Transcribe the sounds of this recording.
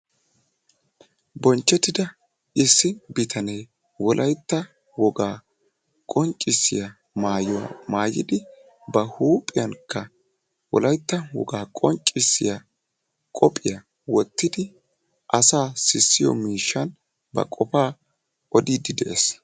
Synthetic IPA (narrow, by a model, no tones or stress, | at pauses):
bɔnt͡ʃːɛt̪ːɪd̪ɐ | ʔɪsːɪbɪt̪ʰɐnej | wɔlʔɐjt̪ːɐ | wɔɡaː | kʼɔŋt͡ʃʼɪsːɪ̰ja | maːjɔwa̰maːjɪ̰d̪ɪ | bɐhuːpʼːɪjɐnkʰːɐ | wɔ̰lɐjt̪ːɐwɔ̰ɡaːkʼɔŋt͡ʃʼːɪsːɪja | kʼɔpʼɪjɐ | wɔt̪ːɪd̪ɪ | ʔɐsaːsɪsːɪjɔ̰miːʃːɐn | bɐ̰kʼɔpaː | ɔd̪iːd̪ɪd̪ɛʔes